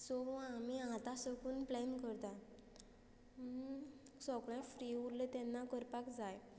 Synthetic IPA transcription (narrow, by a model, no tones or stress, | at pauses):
sɔamiãt̪asəkuːnplɛnkəɾt̪a | sɔkɭãfɾiuɾlət̪ɛnːakəɾpakd͡zaj